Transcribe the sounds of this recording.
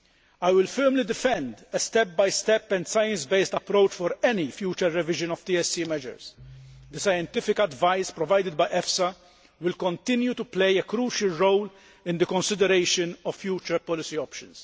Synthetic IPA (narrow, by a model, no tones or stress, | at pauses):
ajwɪlfɛɾmlid̪ɪfɛ̃nd̪ɛst̪ɛp̚bɐjst̪ɛpːɛ̃nd̪sɐjɛ̃nsbest̪ɐpɾowt͡ʃfɔɾɛnifjuːt͡ʃəɾːɛvɪʒɨ̃nɔvt̪iɛsːimɛʒə̰ɾsd̪əsɐjɛ̃nt̪ɪfɪkɐd̪vajspɾɔvajd̪ɪd̪bɐjʔɛfsɐ | wɪlkɔ̃nt̪ɪ̃njut̪uplejɛkɾuːʃɐlɾowl | ɪ̃nd̪əkɔ̃nsɪd̪ɛɾeɪʃənɔv̥ːjuːt͡ʃəɾpɔlɪsiɔpʃɨ̃ns